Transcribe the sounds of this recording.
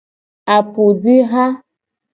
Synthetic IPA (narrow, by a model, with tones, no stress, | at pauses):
a˨pu˨di˦ɦa˦